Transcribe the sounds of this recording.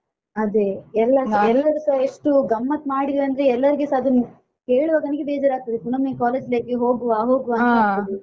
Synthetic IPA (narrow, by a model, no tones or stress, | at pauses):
ɐd̪eɛlːɐɛlːɐɾɐsɐeʂʈuɡɐmːɐt̪maːɽid̪iɐnd̪ɾeɛlːɐɾiɡesɐɐd̪uni | keːɭuʋɐːɡ̪ɐnɐɡebeːd͡ʒaːɾaːɡ̚t̪ɐd̪ekuɳɐmekaːleːd͡ʒleːɡeɦo̞ːɡuaːɦoːɡuɐnt̪ɐt̪ɐd̪i